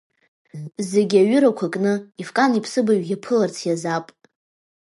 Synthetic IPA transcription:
zeɡʲaɥʏɾakʷʰakʼnɨifkʼanipʰsɨbaɥjʲapʰɨlart͡sʰjazapʼ

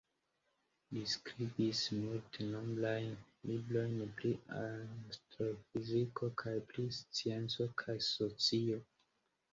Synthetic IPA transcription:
liskɾibismulteno̞mblajn | liblo̞jnpliastɾofizikokʰajplist͡sie̞nt͡so̞kʰajso̞t͡sio̞

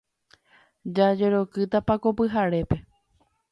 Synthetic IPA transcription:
d͡ʒad͡ʒe̞ɾo̞kɨt̪apakopɨɦaɾe̞pe̞

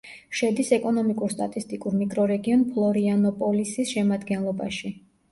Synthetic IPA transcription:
ʃɛd̪isɛkʼɔnɔmikʼuɾst̪ʼat̪ʼist̪ʼikʼuɾmikʼɾɔɾɛɡiɔnpʰlˠɔɾianɔpʼɔlisisʃɛmad̪ɡɛnlˠɔba̰ʃi

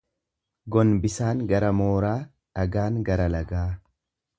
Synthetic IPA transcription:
ɡɔnbɪsaːŋɡɐɾɐmoːɾaː | ᶑɐɡaːŋɡɐɾɐlɐɡaː

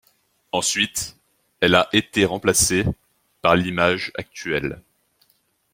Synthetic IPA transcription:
ɑ̃sɥit̪ | ɛlaʔet̪eʁɑ̃plase | paʁlimaʒa̰k̚t̪ɥɛl

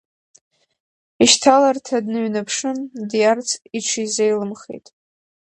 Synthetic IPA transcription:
iʃtʰalartʰadnɨɥnapʰʂɨmdijart͡sʰiʈ͡ʂʷʰizejlɨmχḛjtʼ

